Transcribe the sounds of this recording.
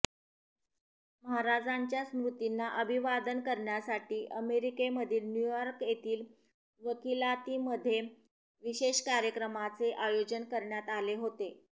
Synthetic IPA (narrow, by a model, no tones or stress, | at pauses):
məɦaɾad͡zaɲt͡ɕjasmɾut̪inːaʔəbʱiʋad̪ənkəɾɳjasaʈiːʔəmeɾikeməd̪ʱiːlnjujɔɾkjet̪iːl | ʋəkilat̪iːməd̪ʱːje | ʋiɕeɕkaɾjəkɾəmat͡seʔajod͡ʑənkəɾɳjat̪aleɦot̪e